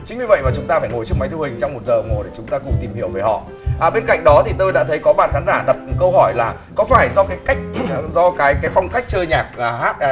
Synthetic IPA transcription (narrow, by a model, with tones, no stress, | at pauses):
t͡ɕï̟˦ɲi˧və̰˧˨jmaː˨˩t͡ɕʊ˨˦ŋ͡mt̪aː˧faː˧˩jŋo˨˩jt͡ɕɨ˦˥əkma˨˦jt̪ʰhï˨˩ŋ̟t͡ɕɔ˧wŋ͡mmo˨˩t̚zəː˨˩ŋo˨˩jɗe˧˩t͡ɕʊ˨˦ŋ͡mt̪aː˧ku˨˧˩t̪i˨˩mhi˧˩əwve˨˩hɔ̰˧˨ | ʔaː˧˩ɓe˧nka̰˧˨jŋ̟ɗɔ˨˦t̪ʰi˨˩t̪o˧jɗa̰ː˧˥t̪ʰə˨˦jkɔ˨˦ɓa̰ː˧˨nxaː˨˦nzaː˧˩ɗə˨˩p̚kə˧whɔ˧˩jlaː˨˩ | kɔ˨˦faː˧˩jzɔ˧kaː˨˦jka˦˥jk̟̚ːzɔ˧kaː˨˦jkaː˨˦jfa˧wŋ͡mka˦˥jk̚t͡ɕəː˧jɲaː˨˩k̚ːhaː˦˥t̚